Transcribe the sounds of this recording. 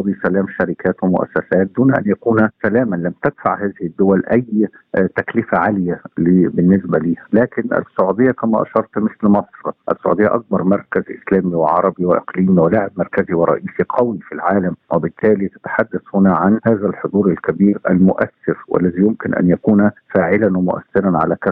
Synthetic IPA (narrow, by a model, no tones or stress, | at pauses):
ɑd̪ˤisælæːmʃaɾikæːt̪wɪmʊ̰ʔæ̰sːæsæːt̪̚d̪uːnʔæ̰njækuːnsælæːmanlæmt̪ɪd̪̥fa̰ʕhaːzɪhɪd̪ːʊwælʔæj | t̪æklɪfaʕalɪjaliːbɪnːɪsbæliːhælæːkɪnʔɪ̰sːʊʕud̪ɪjːakæmæ̰ʔɑ̰ʃɑɾˤt̪mɪθlmɑsˤɾʔæ̰sːʊ̰ʕṵd̪ɪjːaʔɑk̚bɑɾˤmɑɾˤkæzʔɪ̰slæːmiwɪʕɑ̰ɾˤɑbiwɪʔɪqliːmiwɪlaʕɪb̚mɑɾˤkæziwɪɾˤɑ̰ʔiːsiqʰɑwifilʕaːlæmwɪbɪt̪ʰːæːlit̪ḁt̪ḁħad̪ːæθhʊnæʕanhaːzælħod̪ˤuːɾalkæbiːɾʔæ̰lmʊʔæsːɪɾwʔæ̰lːæzijʊmkɪnʔæ̰njækuːnfaːʕɪlænwɪmʊʔæ̰sːɪɾænʕalækæ